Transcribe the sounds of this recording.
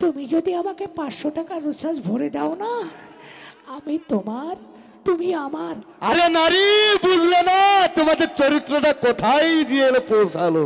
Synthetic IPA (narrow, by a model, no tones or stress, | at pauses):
t̪umid͡ʑod̪iamakepãʃoʈakaɾːuʃaʃbʱoɾed̪ɛona | amit̪omaɾ | t̪umiamaɾ | aɾenaɾibud͡ʑʱlenat̪omad̪eɾt͡ɕoɾit̪ːɾoʈakot̪ʰajd͡ʑielepowsʰalo